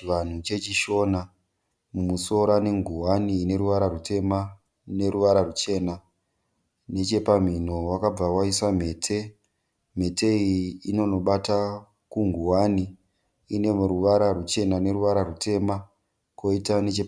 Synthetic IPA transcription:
ʋan̤ut͡ʃe̞t͡ʃiʃo̞na | mumuso̞ɾane̞ŋɡuwaniːne̞ɾuʋaɾarute̞ma | ne̞ɾuʋaɾarut͡ʃe̞ːna | ne̞t͡ʃe̞pam̤in̤o̞wakab͡vawaisam̤e̞ːtʰe̞ | m̤e̞te̞iino̞no̞ɓata | kuŋɡuwani | ine̞ɾuʋaɾarut͡ʃe̞nane̞ɾuʋaɾarute̞ma | ko̞itane̞t͡ʃe

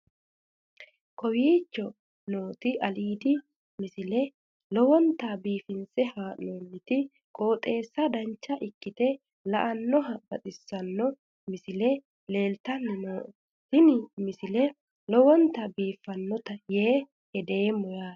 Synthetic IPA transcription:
kɔwiːt͡ʃːɔ | no̞ːt̪ɪʔɐliːd̪ɪ | mɪsɪlɛ | lɔwɔnt̪ːabiːfɪnsɛhaːʔoːnːɪt̪ɪ | kʼoːt̪ʼe̞ːsːɐd̪ɐnt͡ʃːɐʔɪkːɪt̪ɛ | lɐʔɐnːɔɦɐbɐt̪ʼɪsːɐnːɔ | mɪsɪlɛ | le̞ːlt̪ɐnːɪnoː | t̪ɪnɪmɪsɪlɛ | lɔwɔnt̪ːɐbiːfːɐnːɔt̪ɐjeː | hɛd̪eːmɔjaː

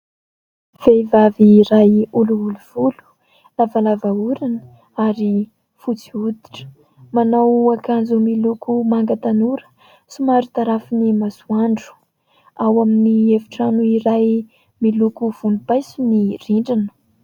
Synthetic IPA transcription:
v̥eivaviɾajuluuluv̥ulu̥ | lavalavauɾanə | aɾi | fut͡siud̪iʈ͡ʂə̥ | manawakand͡zumilukumaŋɡət̪anuɾə̥ | sumaɾut̪aɾafinimazuaɳɖ͡ʐu̥ | awaminievi̥ʈ͡ʂanuiɾaj | milukuv̥unupajsiniriɳɖ͡ʐinə̥

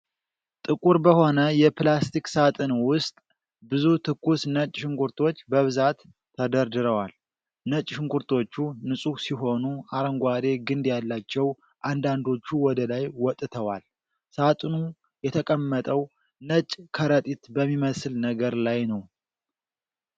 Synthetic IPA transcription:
t̪ʼɨkʼuɾbəho̞nəjɛplast̪iksat̪ʼɨnwʊst̪ʼ | bɨzut̪ʰɨkːusnət͡ʃʼːʃɪŋkʰuɾt̪ʰo̞t͡ʃːbəβɨzat̪ʰː | əd̪əɾd̪ɨɾəwal | nət͡ʃʼʃɪŋkuɾt̪ʰo̞t͡ʃːunɨsʼusiɦo̞nuʔaɾəŋɡʷad̪e̞ɡɨnd̪jalːat͡ʃːɛw | ʔand̪and̪o̞t͡ʃːuwɔd̪əlajwɔt̪ʼɨt̪ʰəwal | sat̪ʼɨnu | jɛt̪ʰəkʼəmːət̪ʼəw | nət͡ʃʼkʰəɾət̪ʼit̪bəmːiməsɨlnəɡəɾlajnəw

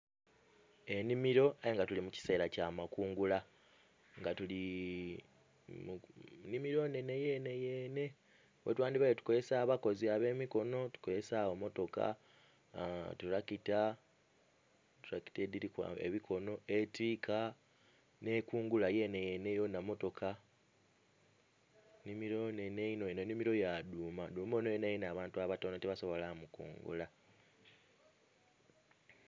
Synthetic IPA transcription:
e̞nimiɾo̞ajeŋɡatulimuci̥se̞ːɾacaːmakuːŋɡula | ŋɡatuli | munimiɾo̞ne̞ne̞je̞ne̞je̞ːne̞ | wetwaːndiβajotu̥ko̞zesaβako̞ziaβe̞ːmiko̞no̞tu̥kozesaβomo̞to̞ka̰ | tuɾakita | tuɾaki̥tediɾika̰ḛβikʰo̞no̞e̞tiːkʰa | ne̞ːkuːŋɡulaje̞nejenejo̞namo̞to̞kʰa | nimiɾoneneinononimiɾo̞jaduːmaduːmonojenejenaːβaːntuaβatoːnotiβaso̞βo̞lamukṵːŋɡṵla

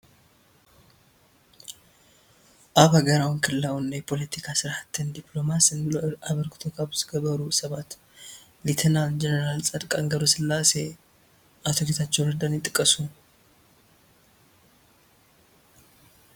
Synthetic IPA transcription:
ʔaβhaɡəɾawnkʰɨlːawɨnːɐjpʰo̞lɛt̪ʰikʰasɨɾhat̪ʰːɨnd̪iplo̞masɨnlaβəɾɡɨ̥t̪ʰo̞kʰabzɨɡəbəɾusɐβat̪ | lit̪ʰɛnald͡ʒɛnəɾalsʼɐd̪kʼaŋɡəɾosɨlːase̞ | ʔat̪ʰoɡet̪ʰat͡ʃːɛwɾɨd̪anjɪt̪ʼːɨkʼːəsu

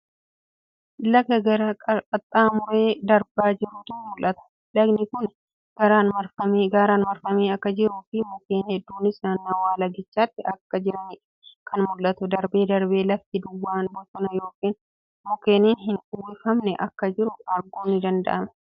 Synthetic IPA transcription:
ʔɪlːɐkɐɡɐɾaːkʼkʼɐt̪ʼːaːmʊɾe̞ːd̪ɐɾbaːd͡ʒɪɾʊt̪ʊmʊlʔɐt̪ɐ̥ | lɐɡnɪkʊn | ɡɐɾaːnmɐɾfɐmːɡaːɾaːnmɐɾfɐmeːɐkːɐd͡ʒɪɾuːfɪmʊkeːnhɛd̪ːuːnɪsnanːaːwaːlɐɡɪt͡ʃːaːt̪ːɪʔɐkːɐd͡ʒɪɾɐnɪ | kʰɐnmʊlːɐt̪ʊd̪ɐɾbe̞ːd̪ɐɾbe̞ːlɐft̪ɪd̪ʊwːaːnbɔsɔnɐjo̞ːkiːn | mʊkeːniːnɦɪnʊwɪfɐmnɛʔɐkːɐd͡ʒɪɾʊɐɾɡoːnɪd̪ɐnd̪ɐ̰ʔɐmɐ̥

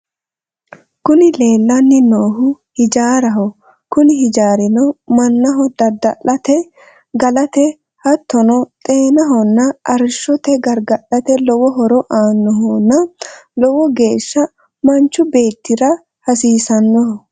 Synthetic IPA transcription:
kʊnɪleːlːɐnːɪnoːhʊ | hɪd͡ʒaːɾɐɦɔ | kʊnɪhɪd͡ʒaːɾɪnɔmɐnːɐɦɔd̪ɐd̪ɐʔɐt̪ɛ | ɡɐlɐt̪ɛ | hɐt̪ːɔnɔt̪ʼe̞ːnɐɦɔnːɐʔɐɾʃːɔt̪ɛɡɐɾɡɐɗɐt̪ɛlɔwɔɦɔɾɔʔaːnːɔɦɔnːɐlɔwɔɡe̞ːʃːɐ | mɐnt͡ʃːʊbe̞ːt̪ːɪɾɐ | hɐsiːsɐnːɔhɔ

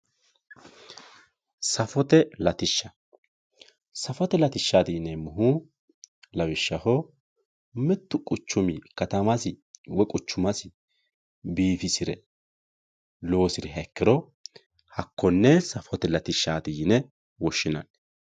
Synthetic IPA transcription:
sɐfɔt̪ɛlɐt̪ɪʃːɐ | sɐfɔt̪ɛlɐt̪ɪʃːaːd̪iːnɛmʊɦu | lɐwɪʃːɐhɔ | mɛt̪ːʊkʼʊt͡ʃːʊmɪkɐt̪ɐmɐsɪwɔkʼʊt͡ʃːʊmɐsɪ | biːfɪsɪɾɛ | lo̞ːsɪɾɪɦɐɛkːɪɾɔ | hɐkːɔnːɛsɐfɔt̪ɛlɐt̪ɪʃːaːd̪iːnɛ | wɔʃːɪnɐ̰n

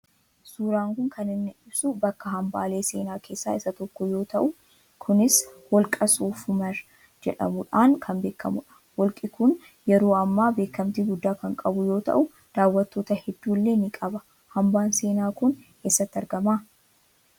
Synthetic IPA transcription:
suːɾaːŋkʊŋkʰɐnɪnːɪᶑɪbsʊbɐkːɐɦɐmba̰ːle̞ːse̞ːnaːkʰe̞ːsːa̰ːɪsɐt̪ɔkːɔjo̞ːt̪ɐʔʊ | kʰʊnɪswɔlkʼɐsuːfʊmɐɾ | d͡ʒɛ̰ᶑɐ̰mʊᶑaːŋkʰɐnbe̞ːkːɐmʊᶑɐ̥ | wɔlkʼɪkʊn | jɛɾo̞ːɐmːaːbe̞ːkːɐmt̪iɡʊd̪ːaːkɐŋkʼɐbʊjo̞ːt̪ɐ̰ʔʊ | d̪̥aːwːɐt̪ːo̞ːt̪ɐhɛd̪ːuːlːe̞ːnɪkʼɐbɐ | hɐmbaːnse̞ːnaːkʊn | esːɐt̪ːɪɐɾɡɐmaː

